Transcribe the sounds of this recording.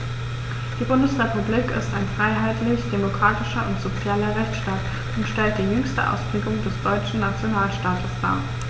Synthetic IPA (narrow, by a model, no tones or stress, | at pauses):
d̥iːbʊndəsʁ̥epubliːkɪ̰staɪnfʁ̥aɪɦaɪtlɪçd̥emokʁ̥aːtɪʃɐʔʊntz̥ot͡sjaːlɐʁɛçt͡sʃtaːt | ʊntʃtɛlt̚d̥iːjʏŋstə̰ʔa̰ʊspʁ̥eːɡʊŋdɛsd̥ɔʏt͡ʃn̩nat͡sjonaːlʃtaːtəsd̥a̰ː